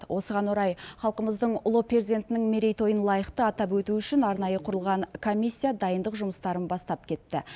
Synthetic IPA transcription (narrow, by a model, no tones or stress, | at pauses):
wʔo̞səʁɑnwoɾɑjχɑlˠqəməzd̪əɴʊlˠoprezʲid̪e̞nt̪ɪnɪŋme̞ɾe̞jt̪ʰo̞jənlˠɑjəχt̪əɑt̪ɑpwɵt̪uʏʃɪnɑɾnɑjəqʰʊɾəlˠʁɑɴkʰo̞mʲːisʲːijad̪ɑjənd̪əqʒʊməst̪ɑɾənbɑst̪ɑp̚kʲʰe̞t̪ːɪ